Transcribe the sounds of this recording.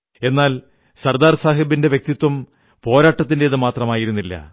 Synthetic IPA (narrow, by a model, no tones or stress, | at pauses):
e̞nːaːl | sɐrd̪aːrsaːɦibinde̞ʋje̞k̚t̪it̪ːwɐm | po̞ːɾaːʈːɐt̪ːinde̞iðɨmaːt̪rɐmaːjiɾunːilːɐ̰